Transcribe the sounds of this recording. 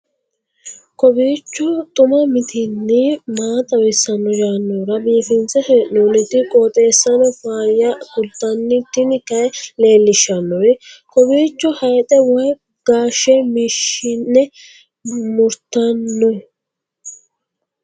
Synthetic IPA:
kɔbiːt͡ʃːɔt̪ʼʊmɐmɪt̪ʰɪnːɪmaːt̪ʼɐwɪsːɐnːɔd͡ʒaːnːoɾɐbiːfɪnt͡sɛhɛʔnuːnɪt̪ːɪkʼɔːt̪ʼeːsːɐnɔfaːɾjakʊlt̪ːɐnːɪt̪ːɪnɪkɐɛleːlːɪʃːɐnːɔɛkɔbiːt͡ʃːɔhɐjt̪ʼɛwɔj | ɡ̥aːʃːɛmɪʃɪnːɛ | mʊɾt̪ɐnːɔj

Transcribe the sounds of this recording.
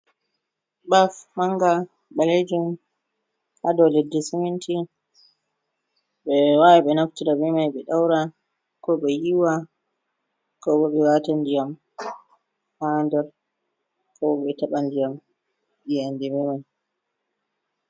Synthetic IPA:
bafmaŋɡa | ɓaled͡ʒum | ʔadɔlɛdːɛsimintʰi | ɓɛwawɛɓɛnaftiɾaɓɛmajɓɛɗawɾa | kɔɓɛjiwa | kɔɓɔɓɛwatandijam | handɔɾ | kɔɔɓɛtaɓandijam | ɗijandɛmɛmaj

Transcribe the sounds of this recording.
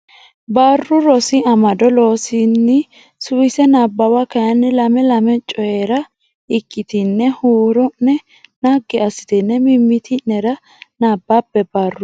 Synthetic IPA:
baːrːʊɾɔsɪɐmɐd̪ɔlo̞ːsɪnːɪ | sʊwɪsɛnaːbːɐwakɐjɐnːɪlɐmɛlɐmɛt͡ʃʼːɔjeːɾɐ | ɪkːɪt̪ɪnːɛhuːɾɔnːɛ | naɡːɪɐsɪ̥t̪ɪnːɛmɪmːɪt̪ʰɪnɛɾɐ | naːbːapːɛbaːrːʊ

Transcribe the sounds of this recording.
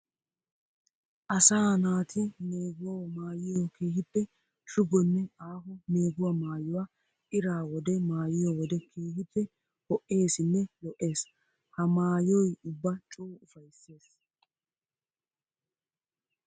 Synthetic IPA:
ʔɐsaːnaːt̪ɪneːɡʊwamaːjɪjɔke̞ːɦɪb̪ːɛ | t͡ʃʊɡɔnːɛʔaːɦɔne̞ːɡʊwamaːjʊwa | ʔɪɾaːwɔd̪ɛmaːjɪjɔwɔd̪ɛkʰeːhɪtːɛ | hɔʔːe̞ːsɪnːɛlɔʔe̞ːs | hɐmaːjɔjʊbːɐt͡ʃʼoːʊfɐjsːe̞ːs

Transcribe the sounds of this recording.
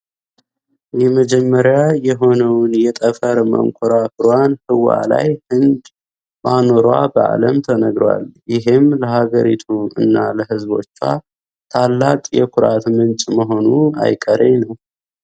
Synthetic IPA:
jɛməd͡ʒɛmːəɾjajɛɦo̞nəwnjɛt̪ʼəfəɾmə̰ŋkʷʰʼʊɾafɨɾanhɨwa̰la̰jhɨnd̪ | mano̞ɾwa̰bəʔa̰ləmt̪ʰənəɡɾwa̰ljɪɦɪmləhaɡəɾit̪ʰuɨ̰nːaləɦɨzbo̞̰t͡ʃːwa̰ | t̪ʰalːakʼjɛ̰kʰʊɾat̪mɨnt͡ʃʼməɦo̞nua̰jkʼəɾenəw

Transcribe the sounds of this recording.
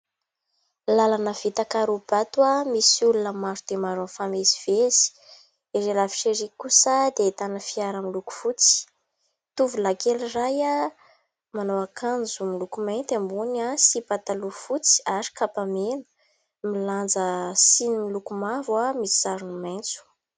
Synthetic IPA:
lalanəv̥it̪akaɾub̥at̪wamisulunəmaɾud̪̥emaɾonfameziv̥ezi̥ | eɾelavi̥ʃeɾikusad̪et̪anəfiaɾəmiluku̥fut͡si̥ | t̪uvulakeliraja | manowakʰand͡zumilukumajnt̪ambunasipat̪alufut͡si̥aɾi̥kapamenə̥ | miland͡zəsinimilukumavwamisi̥saɾunumajnt͡su̥

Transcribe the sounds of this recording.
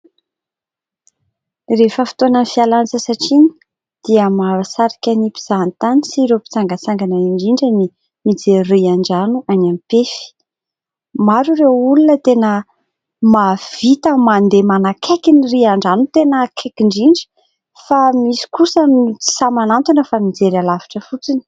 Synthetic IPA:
refəfi̥t̪onənfialant͡səsaʈ͡ʂiɲi̥ | d̪̥iəmaɾasaɾḁkʲənipi̥z̥ant̪anisiɾepi̥t͡saŋɡat͡saŋɡanaiɳɖ͡ʐiɳɖ͡ʐani | mid͡zeriaɳɖ͡ʐanuʔanamipefi̥ | maɾurewulunət̪enə | mav̥it̪əmand̪emanakʰekiniriaɳɖ͡ʐanut̪enəkʰekiɳɖ͡ʐiɳɖ͡ʐə̥ | famisi̥kusəmt͡si̥samanant̪unəfamid͡zeɾalavi̥ʈ͡ʂəfut͡sini̥

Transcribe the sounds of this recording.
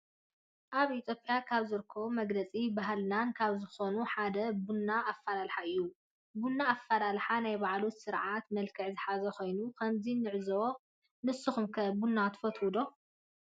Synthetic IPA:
ʔaβit̪ʰjo̞pʼjakʰaβzɨɾɨkʰːɐβumɐɡlɐt͡sʼibaɦlnankʰaβzɨxo̞nuħad̪ɐbunːaːfːalalħaɨjːu | bunːaːfːalalħanajbaʕlut̪sɨɾʕat̪mɐlkʰɨʕzɨħazɐxo̞jnukʰɐmzinɨʕzɐo | nɨsɨxumkʰɐbunːat̪ʰɨ̥fɐt̪hud̪o̞

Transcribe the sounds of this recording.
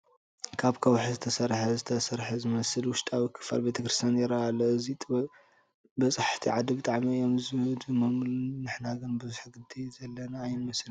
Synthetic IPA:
kʰaβkʰɐwħzɨt̪ʰɐsɐɾħɐzɨt̪ʰɐsɐɾħɐzɨmɐsɨlwʊʃt̪ʼaβɨkʰɨ̥fa̰lbet̪ʰɐkɾist̪ʰjanjɛɾaːlɐɨzit̪ʼβɐ | bɐsʼaħt̪ʰiʕad̪ibɨt̪ʼaʕmiɨjo̞mzɨd̪umɐmlnɨħnaɡɨnbɨzuħɡɨd̪izɐlːɐnaːjnɨmɐsl

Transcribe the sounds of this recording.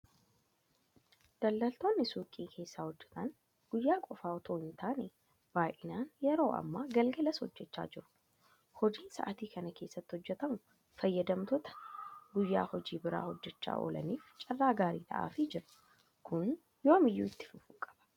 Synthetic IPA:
d̪̥ɐlːɐlt̪o̞ːnːɪsuːkʼiːkʰe̞ːsːaːhɔd͡ʒːɛ̥t̪ɐn | ɡ̥ʊjːaːkʼɔfaːɔt̪ʰo̞ːɪnt̪aːne | baːʔɪnaːnjɛɾo̞ːʔɐ̰mːaːɡɐlɡɐlɐshɔd͡ʒːɛt͡ʃːa̰ːd͡ʒɪɾʊ̥ | hɔd͡ʒiːnsɐ̰ʔɐt̪iːkɐnɐke̞ːsːɐt̪ːɪhɔd͡ʒːɛt̪ɐmʊ | fɐjːɐd̪ɐmt̪ɔt̪ɐ̥ɡʊjːa̰ːhɔd͡ʒiːbɪɾa̰ːhɔd͡ʒːɛt͡ʃːa̰ːʔo̰ːlɐ̰niːft͡ʃʼɐrːaːɡaːɾḭːt̪ʰɐ̰ʔa̰ːfɪd͡ʒɪɾʊ̥ | kʰʊn | joːmɪjːṵːɪt̪ːɪ̥fʊfuːkʼɐ̥b̥ɐ̥

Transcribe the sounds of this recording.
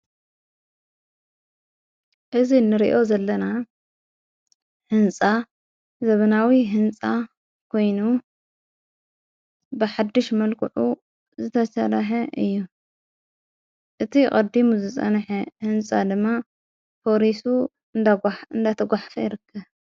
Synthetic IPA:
ʔɨzinɨɾḭʔo̞zɐlːɐna | hɨnt͡sʼa | zɐβɐnawiɦɨnt͡sʼa | kʰo̞jnu | bɨħad̪ːɨʃmɐlkʰɨ̰ʕu | zɨt̪ʰɐsɐɾɐħɐʔɨjːu | ʔɨt̪ʰikʼɐd̪imuzɨsʼɐ̰nħehɨnt͡sʼad̪ɨmːa | pʰoɾisu | ɨnd̪at̪ʰɐɡʷaħfɐjɪɾɨkʰːɐβ

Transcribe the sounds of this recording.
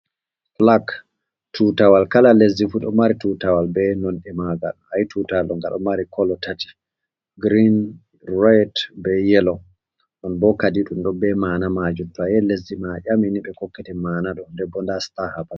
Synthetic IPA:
flak | tʰutawalkalalezifuɗɔ̰maɾitutawalbɛnɔnɛmaɡa̰lhajtʰutalɔŋɡa̰ɗɔ̰maɾikʰɔlɔtʰati̥ | ɡɾin | ɹajtbɛjɛlɔ | ɗɔnbɔkadiɗumɗɔbɛmaːnamad͡ʒutːɔjɛlezːimaʔaminiɓɛkɔkːɛtɛmaːnaɗɔndɛbɔndastahaba

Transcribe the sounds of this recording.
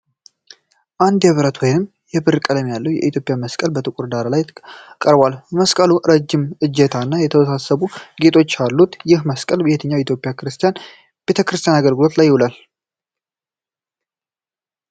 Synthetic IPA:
ʔand̪jɛβɾət̪wɔjnɨm | jɛbɨɾkʼələmjalːəwjɛ̰ʔit̪jo̞pʼjaməskʼəlbət̪ʰɨkʼuɾd̪aɾalajkʼəɾbwalməskʼəluɾəd͡ʒːɪmʔɨd͡ʒːɛt̪ʰanːajɛt̪ʰəwəsasəβuɡe̞t̪ʰʼo̞t͡ʃːalːut̪jɪhməskʼəlbəhet̪ʰəɲːawjɛit̪ʰjo̞pʼjakɨɾɨst̪ʰijan | b̥e̞t̪ʰəkɨɾɨst̪ʰijanaɡəlɡɨlo̞t̪lajːɪhulal

